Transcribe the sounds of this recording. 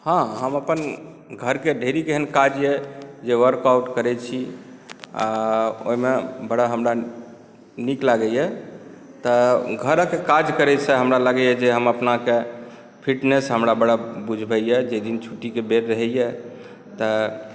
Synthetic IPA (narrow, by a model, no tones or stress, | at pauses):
hãɦəməpən | ɡʱəɾkeɖʱeɾikeɦənkad͡ʒjɛd͡ʒeʋəɾkawʈkəɾɛt͡ʃʰi | a̰o̰ɦimebəɽaɦəmɾa | niklaɡɛjɛ | t̪əɡʱəɾəkekad͡ʒkəɾɛsʰə̃ɦəmɾaləɡɛjɛd͡ʒeɦəməpnake | pʰiʈnesɦəmɾabəɽabud͡ʒʱbɛjɛd͡ʒed̪int͡ʃʰuʈikebeɾːəɦɛjɛ | t̪ə